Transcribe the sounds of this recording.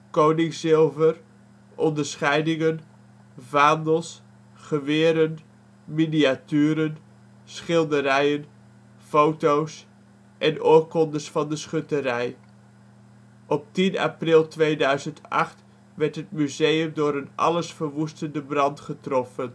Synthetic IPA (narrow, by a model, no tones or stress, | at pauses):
kownɪŋsɪlˠvər | ʔɔndəɹsχɛjdɪŋən | vaːndəlˠs | χəʋɪːɾən | miniatyːɾən | sχɪlˠdəɾɛjən | fowtows | ʔɛnoːɹkɔndəɹsfɑndəsχɵtəɾɛj | ʔɔp̚tina̰prɪlˠtʋejdœɥzəntʔɑ̰χt | ʋɛɹtɦət̚myzejəmdʊːɾənʔɑ̰ləsfərʋustəndəbrɑntχətrɔfən